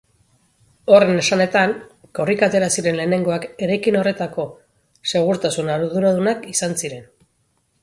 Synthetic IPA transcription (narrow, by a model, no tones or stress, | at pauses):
o̞re̞ne̞sane̞t̪aŋko̞rikat̪e̞ɾasiɾe̞nle̞ːne̞ŋɡo̞ake̞ɾajkino̞re̞t̪ako̞ | se̞ɣ̞uɾt̪asunaɾɾðuɾað̞unakisansiɾe̞n